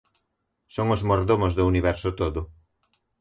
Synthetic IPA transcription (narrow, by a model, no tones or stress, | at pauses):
soŋʊzmoɾðomozðʊuniβɛɾsʊt̪oðʊ